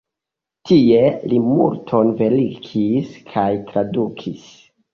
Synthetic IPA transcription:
tie̞limultʰo̞nve̞likʰiskʰajtɾadukʰis

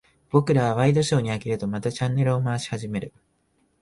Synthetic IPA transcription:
b̥o̞kɯ̟ɾaβ̞aβaid̪o̞ɕo̞ːɲ̟iakiɾɯ̟t̪o̞mat̪at͡ɕãnːe̞ɾɯ̟omaːɕi̥haʑime̞ɾɯ̟

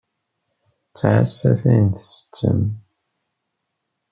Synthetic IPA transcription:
t͡sːʕasæθæjnθsə̥t͡sːə̰m

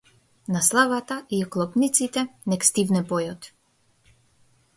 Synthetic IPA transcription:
naslˠavat̪aʔiklˠɔpnit̪sit̪ɛnɛkst̪ivnɛpɔjɔt̪

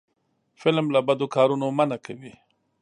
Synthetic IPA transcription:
fɪlmlabad̪okɑːɾunomanakʰawi

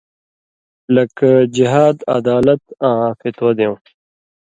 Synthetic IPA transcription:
lɐkd͡ʑiɦaːd̪ɐ̰d̪aːlɐt̪ãːfit̪wɐd̪ẽw̃

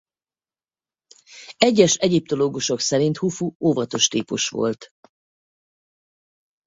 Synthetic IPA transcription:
ɛɟːɛʃɛɟip̚t̪o̞loːɡuʃo̞ksɛɾint̪hufuoːvɒt̪o̞ʃt̪iːpṵʃʋo̞̰lt̪

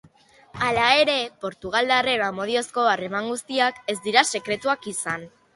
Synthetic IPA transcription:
alae̞ɾe̞po̞ɾt̪uɣ̞ald̪areβamo̞ð̞io̞sko̞are̞maŋɡust̪iake̞zd̪iɾase̞kɾe̞t̪uakisan

